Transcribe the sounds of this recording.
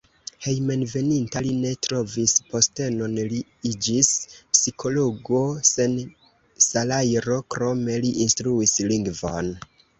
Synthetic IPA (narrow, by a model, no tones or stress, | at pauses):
he̞jme̞nve̞nintaline̞tɾo̞vispo̞ste̞no̞nli | id͡ʒispsikʰo̞lo̞ɡo̞sen | salajɾo̞kɾo̞me̞liʔinstɾuisliŋɡvo̞̰n